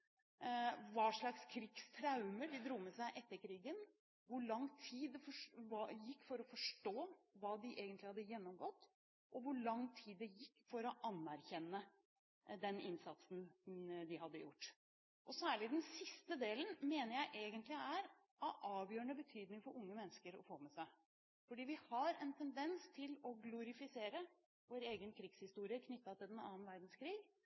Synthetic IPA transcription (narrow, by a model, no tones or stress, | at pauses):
ʋɑʂɭɑkskʰɾiɡst̪ʰɾɑʉməɖɪd̪ɾuːmɛsæɪʔɛt̪ːəɾkʰɾiːɡən | ʋʊɭɑŋt̪ʰiːd̪ɛfɔɑjɪkːfɔɾɔfɔʂʈoːʋɑːd̪ɪʔeːɡənt̪lɪhɑd̪ːəjɛnːɔmɡɔt̪ː | ʔɔʋʊɭɑŋt̪ʰiːd̪ːɛjɪkːfɔɾɔʔɑnːæɾçɛnːə | d̪ɛnɪ̰nsɑt̪sn̩d̪ɪhɑd̪ːəjʊ̰ʈː | ʔɔsæːɭɪd̪ɛnsɪst̪əd̪eːlən̩meːnəɾjæɪʔeːɡənt̪lɪæɾ | ɑʔɑːʋjøːəɳəbət̪ʰyːd̪nɪŋfɔɾʊŋːəmɛnːəskəɾɔ̰foːmɛsæɪ | fɔɖiːʋɪhɑɾɛnt̪ʰɛnd̪ɛnst̪ʰɪlɔɡlʊɾɪfɪseːɾə | ʋoːɾeːɡənkʰɾiɡshɪst̪uːɾɪəkʰnʏt̪ːɑt̪ʰɪld̪ɛnɑ̰ːnʋæɾd̪n̩skʰɾiːɡ